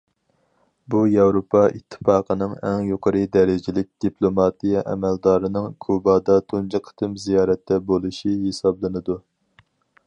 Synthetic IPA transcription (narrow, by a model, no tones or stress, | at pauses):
bujɑwɾopʰɑʔit̪ʰːɨ̥fɑːqʰənɨŋɛ̰ŋjoqʰəɾɨd̪ɛɾɪd͡ʒɪlɪk̚ʲd̪̥iplˠomɑt̪ijɛʔɛ̰mɛld̪ɑːɾɨnɨŋkʰubɑːd̪ɑt̪ʰund͡ʒɨqʰə̥t̪ʰɨmzijɑːɾɛt̪ʰːɛbolˠɨʃiɦesɑblˠɨnɨd̪u